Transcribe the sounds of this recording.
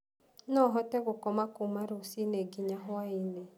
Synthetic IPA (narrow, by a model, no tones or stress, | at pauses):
nɔɦɔtɛɣokɔmakumaɾosineɡiɲaɦaine